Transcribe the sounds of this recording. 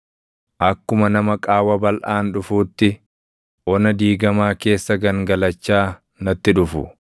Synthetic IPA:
ʔɐkːʊmɐnɐmɐkʼaːwɐbɐlʔaːnᶑʊfuːt̪ːɪ | ʔɔnɐd̪iːɡɐmaːke̞ːsːɐɡɐŋɡɐlɐt͡ʃːaː | nɐt̪ːɪᶑʊfʊ̰

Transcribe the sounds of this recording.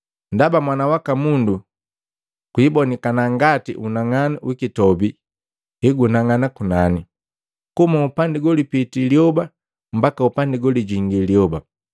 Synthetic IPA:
ndabamwanawakamundu | kwiːbɔnikanaŋɡatḭʔunaŋanawikitɔbi | hiɡunaŋanakunani | kumaupandiɡɔlipitiliɔba | m̩bakaupandiɡɔliɟiŋɡiliɔba

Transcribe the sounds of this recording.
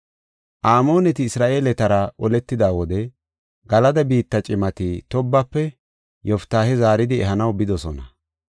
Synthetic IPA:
ʔaːmo̞ːnɛt̪ɪːsɾaːʔe̞ːlɛt̪ɐɾɐʔɔlɛt̪ːɪd̪aːwɔd̪ɛ | ɡɐlɐd̪ɐbiːt̪ːɐt͡ʃʼɪmɐt̪ɪt̪ɔbːɐpːɛ | jɔft̪ːaːhɛzaːɾɪd̪ɪɛɦɐnɐwbɪd̪ɔsɔnɐ

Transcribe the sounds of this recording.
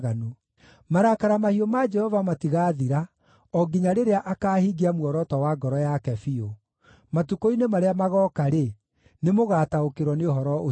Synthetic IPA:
ɣano | maɾakaɾamahiɔmad͡ʒɛhɔvamatiɣaːðiɾa | ɔɡiɲaɾeɾeaʔakaːhiɡiamwɔɾɔtɔwaɡɔɾɔjakɛfio | matukoinemaɾeamaɣɔːkaɾe | nemoɣaːtaokeɾwɔneohɔɾɔʔo

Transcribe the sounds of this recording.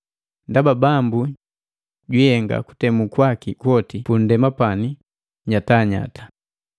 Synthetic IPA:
ndababambu | ɟihɛŋɡa̰ku̥tɛmukwakikwɔtipun̩dɛmapani | ɲataɲa̰tḁ

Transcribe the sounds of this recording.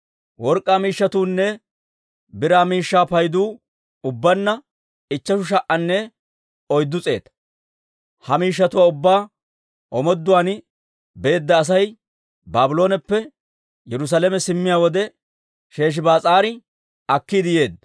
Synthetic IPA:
wɔɾkʼːaːmiːʃːɐt̪uːnːɛ | bɪɾaːmiːʃːaːpɐjd̪uː | ʊbːɐnːɐ | ɪt͡ʃːɐʃʊʃ̬ɐʔɐnːɛ | ɔjd̪ːʊt͡sʼe̞̰ːt̪ɐ | hɐmiːʃ̬ːɐt̪ʊwaːʊbːaː | ʔɔmɔd̪ːʊwaːn | be̞ːd̪ːɐːs̬ɐj | baːbɪlo̞ːnɛpːɛ | jɛɾʊs̬alɛmɛsɪmːɪjaːwɔd̪ɛ | ʃe̞ːʃ̬ɪbaːt͡sʼaːɾɪ | ɐkːid̪ɪje̞ːd̪ɐ

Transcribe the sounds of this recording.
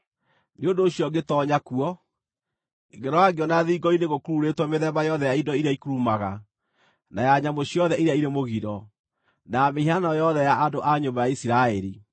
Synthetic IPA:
neondoːɕjɔɡetɔɲakuɔ | iɣɛɾɔaɡeɔnaðiːɡɔineɣokuɾuɾetwɔmeðɛbajɔðɛjaindɔiɾeaikuɾumaɣa | najaɲamoɕiɔðɛiɾeaiɾemoɣiɾɔ | nameiɦanɔjɔðɛjaʔandoʔaɲobajaisiɾaɛɾḭ

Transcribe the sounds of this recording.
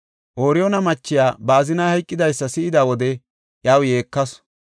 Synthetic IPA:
ʔoːɾɪjonɐmɐt͡ʃːɪjaːbaːzɪnɐhɐjkʼːɪd̪ɐjsːɐsɪʔɪd̪aːwɔd̪ɛ | ʔjaːwje̞ːkːɐs

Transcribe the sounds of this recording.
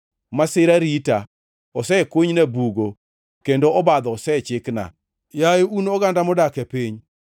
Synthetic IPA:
masɪɾaɾita | ɔsɛkwoɲnabuɡo | kendoɔbad̪ɔɔsɛt͡ʃɪkna̰ | jajounɔɡandamɔdakɛpeɲ

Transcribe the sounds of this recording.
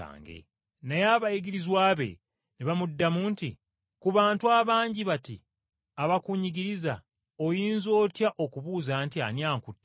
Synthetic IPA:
a̰ːŋɡḛ | nejaːβajiɡiɾizwaːβe̞̰ | neβamudːamuːnti | kuβaːntuaːβaːɲɟiβati | aβakuɲiɡiɾiza | ojiːnzo̞ːtjaʔo̞kuβuːzaːntia̰njaːŋkutː

